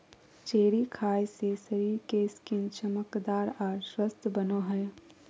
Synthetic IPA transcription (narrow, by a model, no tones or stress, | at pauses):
t͡ʃeːɽikʰaːjsesəɾiːɾkeskɪnt͡ʃəməkd̪aːɾaːɾʃwəst̪ʰbənoɦɛ